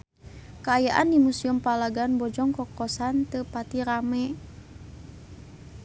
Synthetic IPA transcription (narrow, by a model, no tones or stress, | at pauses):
kaajaʔandimusiumpalaɡanbɔd͡ʒɔŋkɔkɔsant̪əpat̪iɾamɛ